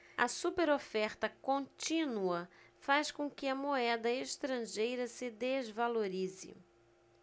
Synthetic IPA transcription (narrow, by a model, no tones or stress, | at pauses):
ɐ̰supeɾofɛɾt̪ɐkõt͡ʃĩnuɐfaskõkɪɐmoɛd̪ɐeʃt̪ɾɐ̃ʒejɾɐsɪd̪ezvaloɾizɪ̰